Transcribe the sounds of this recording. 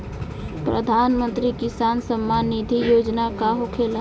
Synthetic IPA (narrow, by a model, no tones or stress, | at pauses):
pɾəd̪ʱanmə̃nt̪ɾikisansəmːanːid̪ʱijoːd͡ʒnakaɦokʰel